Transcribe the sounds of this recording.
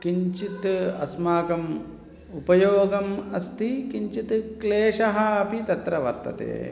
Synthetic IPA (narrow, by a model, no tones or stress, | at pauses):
kiɲt͡ʃit̪ɐ̰smaːkɐm | upɐjoːɡɐmɐst̪ʰikiɲt͡ʃit̪kleːʃɐɦɐpit̪ɐt̪ɾɐʋɐɾt̪ɐ̰t̪ḛː